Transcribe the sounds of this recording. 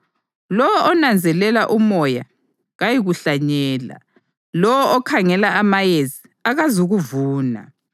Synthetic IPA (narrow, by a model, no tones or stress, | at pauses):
lɔwɔʔɔnand͡zʱɛlɛlaʔumɔja̰ | ɣajiɣuɬaɲɛːla̰ | lɔwɔʔɔkʰaŋɛlaʔamajezi | aɣazuɣuvuːna̰